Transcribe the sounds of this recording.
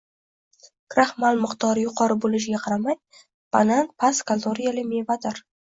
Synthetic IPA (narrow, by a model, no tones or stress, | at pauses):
kʰɾahmalmɨqt̪ɒɾjʊqʰɒɾɪbolɪʃ̬ɡʲaqʰɑɾamaj | b̥ananpʰaskʰalˠd̪oɾijalɪmevad̪aɾ